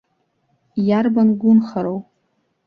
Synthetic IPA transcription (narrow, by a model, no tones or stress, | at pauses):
jarbanɡʷʊnχaɾow